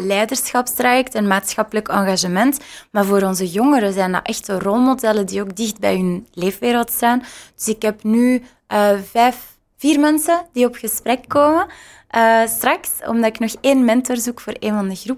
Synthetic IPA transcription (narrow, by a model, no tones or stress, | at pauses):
lɛːdərsxɑpstrajɛktənmaːtsxɑpələkɑŋɣaʒəmɛntmaːrvoːɾɔnzəjɔŋəɾəzɛːnda̰ʔɛxtərɔlˠmodɛlədioːɡdɪxdbɛ̰jɦʏnleːfʋeːɾəlˠtstaːnd̥ʏ̥sɪkɦɛpny | əvɛːf | v̥iːrmɛnsədiɔpxəsprɛkːoːmə | əːstrɑksɔ̰mdɑtɪknɔxeːnmɛntɔrzukfoːreːnvɑndəɣrup